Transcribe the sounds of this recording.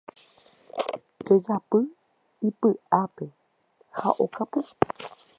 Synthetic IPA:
d͡ʒod͡ʒapɨ | ipɨʔape̞ | ha̰ʔokapɨ

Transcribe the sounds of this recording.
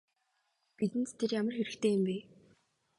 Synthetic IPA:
pit̪ɘ̆nt̪t̪ʰerjamə̆rxeɾɘ̆kt̪ʰeːjʊ̆mpeː

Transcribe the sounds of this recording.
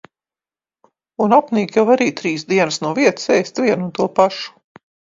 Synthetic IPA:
unapniːkʲavaɾiːt̪ɾiːsd̪iɛnɨsnuɔviɛt̪ssɛjst̪viɛnunt̪uɔpaʃu̥

